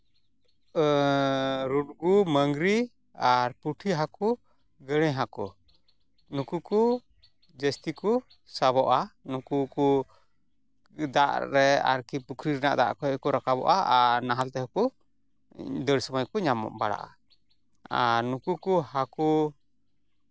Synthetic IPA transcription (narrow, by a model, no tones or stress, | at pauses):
ɾunɡuməŋɡɾi | aɾpuʈʰiɦaku | ɡəɽ̃ɛɦaku | nukuku | d͡ʒəst̪iku | saβɔʔanukuku | d̪aʔɾɛa̰ɾkipukʰɾiɾnaʔd̪a̰ʔkɔhɛkɔɾakabɔ̰ʔaaɾnaɦalt̪ɛɦɔku | d̪əɽsɔmajkuɲamɔ̰ʔba̰ɽa̰ʔa̰ | aɾnukukuhaku